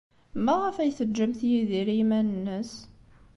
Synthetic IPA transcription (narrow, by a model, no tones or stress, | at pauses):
mæʁəfæjθəd͡ʒːəmθjiðiɾimænənːəs